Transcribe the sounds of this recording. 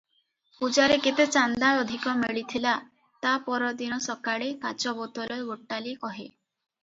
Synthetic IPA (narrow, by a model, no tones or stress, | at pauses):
pud͡ʒaɾeket̪et͡ʃand̪aɭɔd̪ʱikɔmeɭit̪ʰila | t̪apɔɾɔd̪inɔsɔkaɽekat͡ʃɔbɔt̪ɔlɔeoʈːalikɔɦe